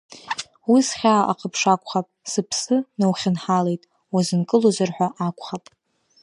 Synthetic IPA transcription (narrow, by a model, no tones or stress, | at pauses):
wisχʲaːʔa̰qʰʼəpʰʂakʷʼχapʼsɨpʰsɨnawχʲɪnħale̞jtʼ | wazɨnkʼɨlozɨrħʷᶣaʔakʷʼχapʼ